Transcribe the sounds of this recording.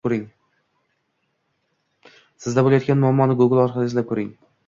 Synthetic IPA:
oɾɪŋ | sɪzd̪abolˠajɒt̪̚kʲanmʊamːɒnɪɡʊɡɪlˠɒɾqʰɑlɪsɪd̪akʰɵɾɪŋ

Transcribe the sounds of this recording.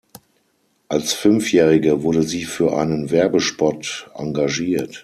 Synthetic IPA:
ʔalsfʏnfjɛːʁɪɡəvʊɐdəziːfyːɐʔa̰ɪnənvɛɐbəʃpɔtʔa̰ŋɡaʒiːɐt

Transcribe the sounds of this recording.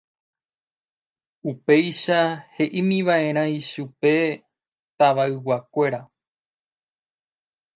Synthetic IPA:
upe̞jʃahe̞ʔimĩʋaʔẽ̞ɾ̃ãiʃupe̞ | t̪aʋaɨwakʷe̞ɾa

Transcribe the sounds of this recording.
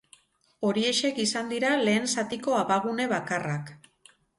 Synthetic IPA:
o̞ɾie̞ʃe̞kisand̪iɾale̞ːnsat̪iko̞aβaɣ̞une̞βakarak

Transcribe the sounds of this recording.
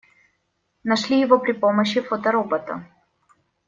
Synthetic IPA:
nɐʂlʲijɪvopɾʲɪpoməɕːɪfot̪əɾobət̪ɐ̰

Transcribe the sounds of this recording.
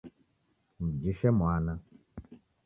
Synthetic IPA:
m̩d͡ʒiʃɛmwanã

